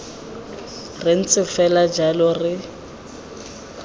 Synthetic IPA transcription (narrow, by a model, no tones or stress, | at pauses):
rɪn̩t͡sʼɪfɛlad͡ʒalɔrɪ